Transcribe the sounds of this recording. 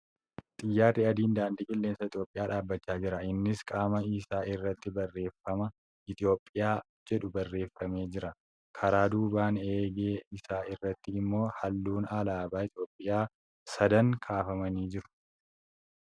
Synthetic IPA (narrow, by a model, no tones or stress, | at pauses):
t̪ʼɪjːaːrːɪɐd̪iːnd̪aːnd̪ɪkʼɪlːeːnsɐɪt̪ʼjoːpʼːɪjaːᶑaːbːɐt͡ʃːaːd͡ʒɪɾɐɪnːɪskʼaːmɐiːsaːɪrːɐt̪ːɪbɐrːe̞ːfːɐmɐ | ɪt̪ʼɪjo̞ːpʼːɪjaː | d͡ʒɛᶑʊbɐrːe̞ːfːɐme̞ːd͡ʒɪɾɐ | kʰɐɾaːd̪uːbaːneːɡeːɪsaːɪrːɐt̪ːɪːmːo̞ːhɐlːuːnɐlaːbaːɪt̪jo̞ːpʼːɪjaː | sɐd̪ɐŋkʰaːfɐmɐniːd͡ʒɪɾʊ̥